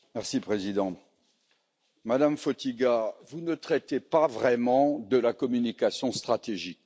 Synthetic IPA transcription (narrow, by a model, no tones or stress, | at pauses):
mɛʁsipχezid̪ɑ̃ | mad̪amfot̪iɡavunət̪χɛt̪epavʁɛmɑ̃d̪əlakɔmynikasjɔ̃st̪χat̪eʒik̚